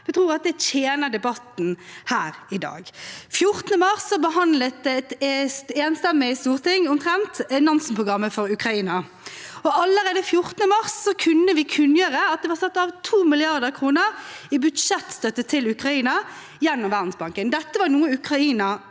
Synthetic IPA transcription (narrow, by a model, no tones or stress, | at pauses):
ʋɪt̪ʰɾuːʁɑt̪̚d̪ɛt͡ɕʰeːnəd̪ɛbɑt̪n̩hæːɾɪd̪ɑ̰ːɡfjʊʁt̪ənəmɑʁsːɔbəɦɑnd̪lət̪ɛt̪seːnst̪ɛmːɪst̪uːʁt̪ɪŋʊmt̪ʰʁɛnt̪nɑnsn̩pʰʁʊɡʁɑmːəfɔɾʉkʁɑiːnɑ | ɔʔɑlːəʁeːd̪əfjʊʁt̪ənəmɑʁsːɔkʰʉnːəʋɪkʰʉnjøːʁəɑt̪̚d̪ɛʋɑsɑt̪ːɑːʋt̪ʰuːmɪlɪɑʁd̪əʁkʰʁuːnəʁɪbʉd̪ʂɛt̪st̪œt̪ːət̪ʰɪlʉkʁɑiːnɑ | jɛnːʊmʋæːʁd̪n̩sbɑŋkənd̪ɛt̪ːəʋɑnuːəʉkʁɑiːnɑ